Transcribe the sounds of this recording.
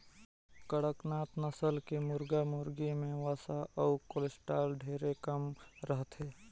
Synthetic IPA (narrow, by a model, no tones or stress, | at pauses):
kəɽəknaːt̪nəsəlkemʊɾɡamʊːɾɡimẽʋaːsaʔɔʊkoːlɪsʈaːlɖʱeːɾekəmɾəɦt̪ɦeː